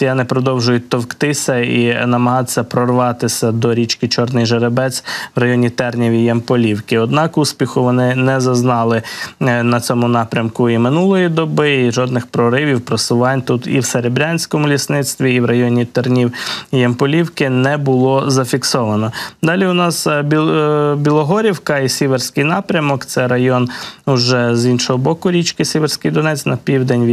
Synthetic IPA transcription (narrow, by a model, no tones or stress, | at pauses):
janɪpɾɔd̪ɔwʒʊjʊt̪ɔwkt̪ɪsʲɐinɐmɐɦɑt̪sʲːɐpɾɔrʋɑt̪ɪsʲɐd̪ɔɾʲit͡ʃkɪt͡ʃɔrnɪjʒeɾebɛt͡sʲʋɾɐjɔnʲit̪ɛrnʲiʋʲijɐmpɔlʲiwkɪɔd̪nɑkusʲpʲixʊʋɔnɪnɛzɐznɑlˠɪnɐt͡sʲɔmʊnɑpɾʲɐmkʊimɪnulˠɔjid̪ɔbɪiʒɔd̪nɪxpɾɔɾɪʋʲiwpɾɐsʊʋɑnʲt̪ut̪ḭwseɾebɾʲanʲsʲkɔmʊlʲisnɪt̪st̪ʋʲiːwɾɐjɔnʲit̪ɔrnʲiwjɛmpɔlʲiwkɪnɛbʊlˠɔzɐfʲiksɔʋɐnɔd̪ɑlʲiʊnɑsbʲbʲilˠɔɦɔɾʲiwkɐisʲiʋersʲkɪjnɑpɾʲɐmɔkt̪sɛɾɐjɔnʊʒɛzinʃɔɦɔbɔkʊɾʲit͡ʃkɪsʲiʋersʲkɪjd̪ɔnɛt͡sʲnɐpʲiwd̪enʲʋ